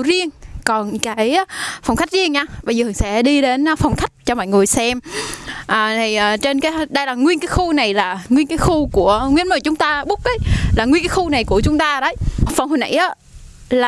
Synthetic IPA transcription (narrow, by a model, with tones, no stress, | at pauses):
zi˧əŋkɔ˨˩nkaː˨˩˦jfa˨˩wŋ͡mxa˦˥jk̚zi˧əŋɲaː˧ɓə˧jzəː˨˩˨ŋsɛ̰˧˥ɗi˧ɗe˨˦nː˧fɔ˨˩wŋ͡mxa˦˥jk̟̚t͡ɕɔ˧mɔ̰ː˧˨jŋɨ˨˩əjsɛ˧mʔəː˨˩t̪ʰi˨˩ʔːt͡ɕe˧nkaː˨˦ɗə˧jlaː˨˩ŋwi˧ənkaː˨˦jxu˧na˨˩jlaː˨˩ŋwi˧ənkaː˨˦jxu˧ku˧˩əŋwi˧ənməː˧˩t͡ɕʊ˨˦ŋ͡mt̪aː˧ɓʊ˦˥k̚ːə˨˦jlaː˨˩ŋwi˧nkaː˨˦xu˧na˨˩jku˧˩ət͡ɕʊ˨˦ŋ͡mt̪aː˧ɗə˨˦jfwŋ͡mho˨˩nʔa̰˧˩jʔaː˨˦ | laː˨˩